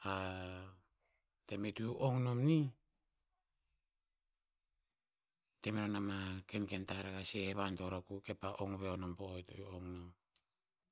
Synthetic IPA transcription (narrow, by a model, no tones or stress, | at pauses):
a | te̞metuʔoŋnomni | te̞meɾanamakenke̞ntaɾakaseβanto̞ɾakuke̞paʔoŋβeonompojtooŋnom